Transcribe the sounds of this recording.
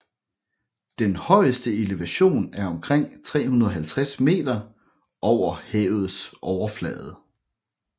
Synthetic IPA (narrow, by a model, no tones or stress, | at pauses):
d̥enhɒ̽ɪəsd̥əeleʋæɕo̝̰ːnæɐɒ̽mkʰʁeŋ̰t͡sʰʁɛ̰ːhunɐðˠɒɦælt͡sʰʁasme̝̰ːd̥ɐ | ʔɒʊ̰ɐhɛːʊð̩ˠsʔɒʊɐflɛ̰ð̩ˠ